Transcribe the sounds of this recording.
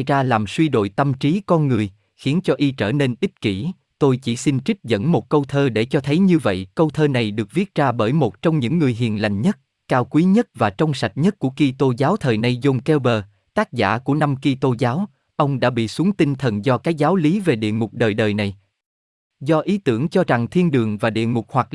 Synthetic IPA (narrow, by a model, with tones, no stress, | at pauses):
jzaː˧laː˨˩mswi˧ɗo̰˧˨jt̪ə˧mt͡ɕi˨˦kɔ˧nŋɨ˨˩əj | xi˨˦ənt͡ɕɔ˧ʔi˧t͡ɕəː˧˩ne˧nʔi˦˥t̚ki˧˩ | t̪o˧jt͡ɕḭ˧˩si˧nt͡ɕï˦˥k̟̚zə̰˧˥nmo˨˩t̚kə˧wt̪ʰəː˧ɗe˧˩t͡ɕɔ˧t̪ʰə˨˦jɲɨ˧və̰˧˨jkə˧wt̪ʰəː˧na˨˩jɗɨ˨˩ək̚vi˦˥t̚zaː˧ɓəː˧˩jmo˨˩t̚t͡ɕɔ˧wŋ͡mɲɨ̰˧˥ŋːɨ˨˩əjɦḭ˧˨ənla̰˧˨jŋ̟ɲə˦˥t̚ | kaː˧wkwi˨˦ɲə˦˥t̚vaː˨˩t͡ɕɔ˧wŋ͡msa˨˩t̚ɲə˦˥t̚ku˧˩əki˧t̪o˧zaː˨˦wt̪ʰəː˨˩jna˧jzo˧ŋ͡mkɛ˧wɓəː˧˩ | t̪aː˦˥k̚za̰ː˧˥˩ku˧˩əna˧mki˧t̪o˧zaː˨˦w | ʔə˧wŋ͡mɗa̰ː˧˥ɓḭ˧˨su˨˦əŋt̪i˧nt̪ʰə˨˩nzɔ˧kaː˨˦˥k̚zaː˨˦wli˨˦ve˨˩ɗḭ˧˨əŋʊ˨˩k͡p̚ɗəː˨˩jɗəː˨˩jna˨˩j | zɔ˧ʔi˨˦t̪ɨ˧˩əŋt͡ɕɔ˧za˨˩ŋt̪ʰi˧ənɗɨ˨˩əŋvaː˨˩ɗḭ˧˨əŋʊ˨˩k͡p̚hwa˨˩k̚